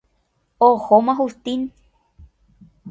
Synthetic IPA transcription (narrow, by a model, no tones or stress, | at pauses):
ohomãɦust̪in